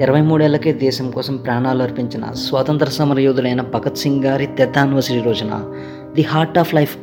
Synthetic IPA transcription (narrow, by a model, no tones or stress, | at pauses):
iɾɐʋɐjmuːɽuɛːlɐkeːd̪ɛːʃɐmkɔːsɐmpɾaːɳaːluɐɾpiɲt͡ʃinɐ̰sʋaːt̪ɐnt̪ɐɾɐsɐmɐɾɐjoːd̪ulɐjnɐbɐɡɐt̪siŋɡɡaːɾit̪ɛd̪ːaːniʋɐɾsiʈiɾɔːd͡ʒɐna̰ | d̪iɦaːɾʈaːplɐjp